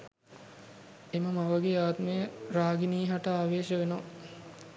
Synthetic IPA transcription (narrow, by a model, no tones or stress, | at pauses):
eməmaʋəɡeaːt̪məjəɾaːɡiniːɦaʈəaːʋeːʃəʋeno